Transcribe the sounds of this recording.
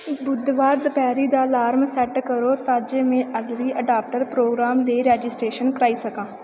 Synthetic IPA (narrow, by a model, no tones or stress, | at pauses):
bʊd̪ʋaːɾd̪pɛːɾiːd̪aːlaːɾmsɛːʈkəɾoːt̪ãːd͡ʒeːmẽːʔəlɾiːʔəɖaːp̚ʈəɾpɾoːɡɾaːmleːɾɛːd͡ʒɪsʈɾeːʃənkəɾaːiːsəkãː